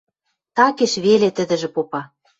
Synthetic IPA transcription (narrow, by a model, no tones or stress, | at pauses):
t̪ɑkeʃβelet̪ə̆d̪ɘ̆ʒĕpopɑ